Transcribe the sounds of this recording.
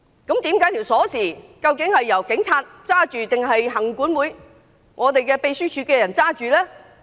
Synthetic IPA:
kɐ˨˥mt̪iː˨˥mkaː˨˥jt̪ʰiː˨˩wsɔː˨˥siː˨˩kɐ˧wkɪ˨˥ŋhɐ˨jːɐ˨˩wkɪ˨˥ŋt͡sʰaː˧t̚t͡saː˥t͡ʃyː˨t̪ɪ˨ŋɦɐ˨jɦɐ˨˩ŋkuː˨˥nwuː˨˧j | ŋʔɔː˨˧t̪e˨jkɛː˧pe˧jsyː˥t͡ʃʰyː˨˧kɛː˧jɐ˨˩nt͡saː˥t͡ʃyː˨lɛː˥

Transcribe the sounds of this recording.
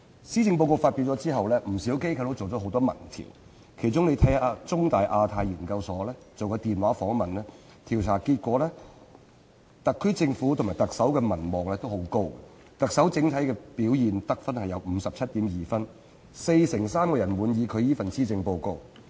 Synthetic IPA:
siː˥t͡sɪ˧ŋp̬o˧wko˧wfaː˧t̚pi˧wt͡sɔː˨˥t͡siː˥ɦɐ˨wlɛː˥m̩˨˩siː˨˥wke˥jkʰɐ˧wt̪o˥t͡so˨wt͡sɔ˨˦ɦo˨˧wt̪ɔː˥mɐ̰˨˩nt̪ʰḭː˨˩w | kʰe˨˩jt͡sʊ˨˥ŋle˨˧jt̪ʰɐ˨˥jaː˧t͡sʊ˥ŋt̪aː˨˩jʔaː˧t̪ʰaː˧jjiː˨˩nkɐ˧wsɔː˨˥lɛː˥t͡so˨wkɔ˧t̪iː˨nwaː˨˥fɔː˨˥ŋmɐ˨nlɛː˥ | t̪ʰiː˨˩wt͡sʰaː˨˩kiː˧t̚kʷɔː˨˥lɛː˥ | t̪ɐ˨kʰːɵ˥t͡sɪ˧ŋfuː˨˥t̪ʰʊ˨ŋmaː˨˩jt̪ɐ˨k̚sɐ˨˥wkɛː˧mɐ˨˩nmɔː˨k̚lɛː˥t̪o˥who˨˥wko˥wɛ̰˨˧ | t̪ɐ˨k̚sɐ˨˥wt͡sɪ˨˥ŋt̪ʰɐ˨˥jkɛː˧piː˨˥wjiː˨˩nt̪ɐ˥k̚fɐ˥nhɐ˨jɐ˨˧wm̩ː˨˧sɐ˨p̚t͡sʰɐ˥t̚t̪iː˨˥mjiː˨fɐ˥n | se˧jsɪ˨˩ŋsaː˥mkɔː˧jɐ˨˩nwuː˨˧njiː˨˧kʰɵ˨˧ɥjiː˥fɐ˨nsiː˥t͡sɪ˧ŋpo˧wko˧w

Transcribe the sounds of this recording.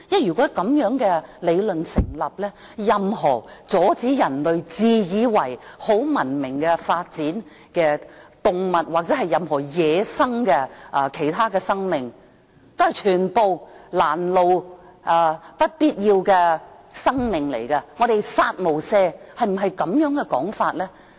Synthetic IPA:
jɐ˥jyː˨˩kʷɔː˨˥kɐ˨˥mjœː˨˥ŋkɛ˧le˨˧jlɵ˨nsɪ˨˩ŋlɐ˨p̚lɛː˥ | jɐ˨mɦɔː˨˩t͡sɔː˨˥t͡siː˨˥jɐ˨˩nlɵ˨ɥt͡siː˨˧jiː˨˧wɐ˨˩jho˨˥wmɐ˨˩nmɪ˨˩ŋkɛ˧faː˧t̚t͡siː˨˥n | kɛː˧t̪ʊ˨˧ŋmɐ˨t̚waː˨k̚t͡sɛː˨˥ɦɐ˨jɐ˨mɦɔː˨˩jɛː˨˧sɐ˥ŋkɛː˧ʔɐ˧kʰe˨˩jt̪ʰaː˥kɛː˧sɐ˥ŋmɪ˨ŋ | t̪o˥hɐ˨˩jt͡ʃʰyː˨˩npo˨˧wlaː˨˩nlo˨wʔɐː˧˩pɐ˥t̚piː˥t̚jiː˧wkɛ˧ | sɐ˥ŋmɪ˨ŋlḛ˨˩jkɐ˧ŋɔ˨˧ɾe˨jsaː˧t̚mo˨˩wsɛː˧hɐ˨jm̩˨˩ɦɐ˨jkɐ˨˥mjœː˨˥ŋkɛ˧kɔː˨˥ŋfaː˧t̚lɛː˥

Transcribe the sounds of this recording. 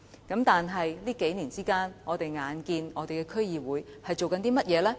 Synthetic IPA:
kɐ˨˥mt̪aː˨nɦɐ˨jliː˥ke˨˥jniː˨˩nt͡siː˥kaː˥nŋɔː˨˧t̪e˨jŋaː˨˧nkiː˧nɔː˨˧t̪e˨jkɛː˧kʰɵ˥ɥjiː˨wuː˨˥jhɐ˨jt͡ʃo˨wkɐ˨˥nt̪iː˥mɐ˥t̚jɛː˨˧lɛː˥

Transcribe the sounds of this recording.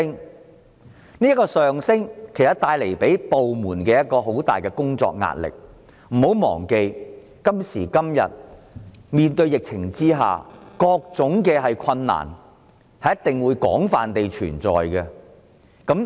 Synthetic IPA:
ŋ | niː˥kɔː˧sœː˨ŋsɪ˥ŋkʰe˨˩jsɐ˨˩t̪̚aː˧jle˨˩jpe˨˥jpo˨wmuː˨˩nkɛː˧jɐ˥t̚kɔː˧ɦo˨˥wt̪a̰ː˨jkɛ˧kʊ˥ŋt͡sɔ̰ː˧k̚ŋa̰ː˧t̚lɪ̰˨k̚ | m̩ː˨˩ho˨˥wmɔ̰ː˨˩ŋke˧j | kɐ˥msiː˨˩kɐ˥mjɐ̰˨t̚ | miː˨nt̪ɵ˧ɥjɪ˨k̚t͡sʰɪ˨˩ŋt͡siː˥ɦa̰ː˨kɔː˧k̚t͡sʊ˨˥ŋkɛː˧ɦɐ˨jkʰɐ˧nːa̰ː˨˩n | hɐ˨jɐ˥t̪ɪ˨ŋwuː˨˧jkɔː˨˥ŋfaː˨nt̪e˨jt͡ʃʰyː˨˩nt͡sɔ̰ː˨jkɛ˧ | kɐ˨˥m

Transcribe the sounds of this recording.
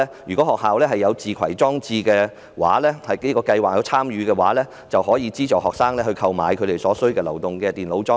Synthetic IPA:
jyː˨˩kɔ˨˥hɔː˨khɦaː˨wlɛː˥ɦɐ˨jːɐ˨˧wt͡siː˨kʰɐ̰˨˩jt͡sɔː˥ŋt͡siː˧kɛː˧ | wa̰ː˨˥lɛː˥hɐ˨jke˨˥kɔː˧kɐ˧jwaː˨k̚jɐ˨˧wt͡sʰaː˥mjyː˨˧kɛː˧waː˨˥lɛː˥ | t͡sɐ˨whɔː˨˥jiː˨˧t͡siː˥t͡ʃɔː˨hɔː˨ksaː˥ŋlɛː˥hɵ˧ɥkʰɐ˧wma̰ː˨˧jkʰɵ˨˧ɥt̪e˨jsɔː˨˥sɵ˥ɥkɛː˧lɐ˨˩wt̪ʊ˨ŋkɛː˧t̪iː˨nlo˨˥wt͡sɔː˥

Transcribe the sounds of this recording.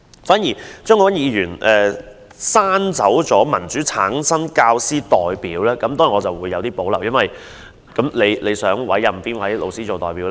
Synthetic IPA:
faː˨˥njiː˨˩t͡ʃœː˥ŋkɔː˨˧ɐ˥njiː˨˧jyː˨˩nʔɛː˨ | saː˥nt͡sɐ˨˥wt͡sɔː˨˥mɐ˨˩nt͡syː˨˥t͡sʰaː˨˥ŋsɐ˥nkaː˧wsiː˥t̪ɔː˨jpiː˨˥wlɛː˥kɐ˨˥mt̪ɔː˥ji˨ŋɔː˨˧t͡sɐ˨wuː˨˧jːɐ˨˧wt̪iː˥po˨˥wlɐ˨˩wjɐ˥nwɐ˨j | kɐ˨˥mle˨˧jle˨˧jsœː˨˥ŋwɐ̰˨˥jːɐ˨˩mfiː˥nwɐ˨˥jlo̰˨˧wsiː˥t͡so˨wt̪ɔː˨jpiː˨˥wlː

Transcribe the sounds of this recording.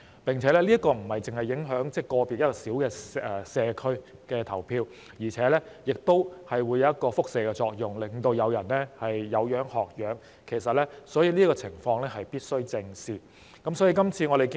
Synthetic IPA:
pɪ˨˩ŋt͡sʰɛ˨˥lɛː˥liː˥t̚kɔː˧m̩˨˩hɐ˨jt͡sɪ˨ŋhɐ˨jːɪ˨˥ŋɦœː˨˥ŋt͡sɛː˥kɔː˧piː˨t̚jɐ˥t̚kɔ˧siː˨˥wkɛː˧ɛ˨sɛː˧kʰɵ˥ɥ | kɛː˧t̪ʰɐ˨˩wpʰiː˧w | jiː˨˩t͡sʰɛː˨˥lɛː˥jɪ˨k̚t̪o˥whɐ˨jwuː˨˧jɐ˨˧wjɐ˥t̚kɔː˧fʊ˥k̚seː˨˩kɛ˧t͡sɔː˧k̚jʊ˨ŋlɪ˨ŋt̪o˧wjɐ˨˧wjɐ˨˩nɛː˥hɐ˨jːɐ˨˧wjœː˨˥ŋhɔː˨k̚jœː˨˥ŋ | kʰe˨˩s̬ɐ˨t̚lɛː˥sɔː˨˥jiː˧liː˥kɔː˧t͡sʰɪ˨˩ŋfɔː˧ŋlɛː˥ɦɐ˨jpiː˥t̚sɵ˥ɥt͡sɪ˧ŋsiː˨˩ | kɐ˨˥msɔː˨˥jiː˧kɐ˥mt͡sʰiː˧ŋɔː˨˧ɾe˨˩ki˥

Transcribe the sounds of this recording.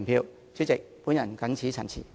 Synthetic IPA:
npʰiː˧wʰ | y˥t͡sɪ˨k̚pu˨˥njɐ˨˩nkɐ˨˥nt͡sʰiː˨˥t͡sʰɐ˨˩nt͡sʰḭː˨˩

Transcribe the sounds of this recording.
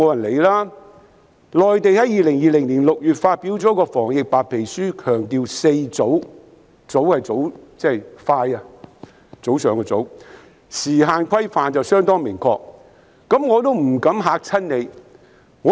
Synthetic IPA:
ɔː˨˧jɐ˨˩nle˨jlaː˥ | lɔː˨jt̪e˨jhɐ˨˥jiː˨˧lɪ˨˩ŋjiː˨lɪ˨˩ŋnliː˨˩nlʊ˨k̚jyː˨t̚faː˧t̚pi˨˥wt͡sɔː˨˥kɔː˧fɔː˨˩ŋjɪ˨k̚paː˨t̚pʰe˨˩jsyː˥kʰœː˨˩ŋt̪iː˨wse˧jt͡so˨˥w | t͡so˨˥whɐ˨jt͡so˨˥wt͡sɛ˥˩jfaː˧jɐ˧ | t͡so˨˥wsœː˨˧ŋɔ˧t͡so˨˥w | siː˨˩ɦaː˨˧nkʰɐ˥jfaː˨nt͡sɐ˨wsœː˥ŋt̪ɔː˥ŋmɪ˨˩ŋkʰɔ̰ː˧k̚ | kɐ˨˥mŋɔː˨˧t̪̬o˥wm̩˨˩kɐ˨˥mɦaː˨˧k̚t͡sʰɐ˥nne˨˧j | ŋɔː˨˧

